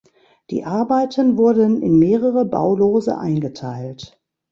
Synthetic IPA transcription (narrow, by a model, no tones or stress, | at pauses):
d̥ḭːʔaɐbaɪtʰənvʊɐdənɪ̰nmeːʁəʁəba̰ʊloːzə̰ʔa̰ɪnɡətʰaɪlt